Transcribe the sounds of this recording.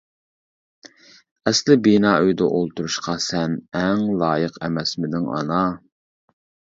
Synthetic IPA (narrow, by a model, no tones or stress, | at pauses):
ɛslɪbinɑːøjd̪ɛʔolˠt̪uɾuʃqʰɑsɛnɛŋlˠɑːjəqɛmɛsmɪd̪ɪŋɑ̰nɑ